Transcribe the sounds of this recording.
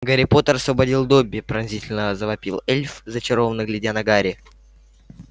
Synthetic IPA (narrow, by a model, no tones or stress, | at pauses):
ɡəɾʲɪpo̞t̪əɾɐsvəbɐdʲilˠd̪obʲːɪpɾɐnʲzʲitʲɪlʲnəzəvɐpʲilˠɛlʲfzət͡ɕɪɾo̞vənːɨɡlʲɪdʲanɐɡaɾʲɪ